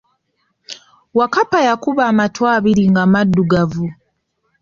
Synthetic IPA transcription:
wakapajakuβaːmatwaːβiɾiŋɡamadːuɡavu

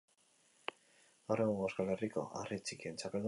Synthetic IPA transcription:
oɾeŋeskaleriko̞̰ʔa̰rit͡sikient͡sapeld̪

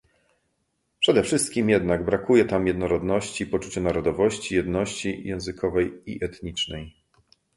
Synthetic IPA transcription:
pʂɛd̪ɛfʂɘst̪̚kʲimjɛd̪naɡbɾakujɛt̪amjɛd̪nɔɾɔd̪nɔɕt͡ɕipɔt͡ʂut͡ɕɛnaɾɔd̪ɔvɔɕt͡ɕijɛd̪nɔɕt͡ɕijɛ̃w̃zɘkʰɔvɛjḭʔɛt̪ɲit͡ʂnɛj

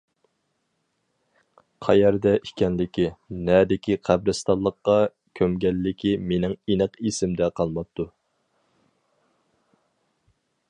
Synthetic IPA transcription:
qʰɑjɛɾd̪ɛi̥kʲɛnlɪkʲinɛd̪ɪkʲiqʰæbɾɨst̪ʰɑlˠːəqːɑ | kʲʰømɡʲɛlːɪkʲimenɪŋenɨqesɪmd̪ɛqʰɑlˠmɑp̚t̪ʰːu

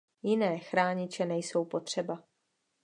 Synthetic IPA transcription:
jɪnɛːxɾaːɲɪt͡ʃɛnɛjso̞wpo̞t̪r̝̥ɛba

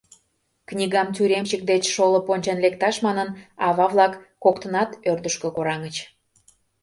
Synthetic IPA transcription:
knʲiɣɑmt̪yɾemt͡ɕək̚d̪et͡ɕʃolə̆ponʲt͡ɕɑnlek̚t̪ɑʃmɑnənɑβɑβlɑkːokt̪ə̆nɑt̪ørd̪əʃkə̆koɾɑŋət͡ɕ

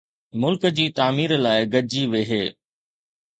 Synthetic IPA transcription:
mʊlkəd͡ʑiːt̪aːmiːɾlaːɪɡɐd͡ʑiʋeːɦeː

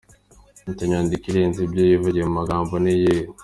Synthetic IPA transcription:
mitaɲaːndikiɾenzibjojivuɟiemumaɡaːmboneje

